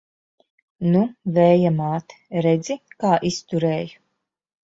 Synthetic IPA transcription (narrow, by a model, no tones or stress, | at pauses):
nuvɛːjamaːt̪ɾɛd̪zikaːʔist̪uɾɛːju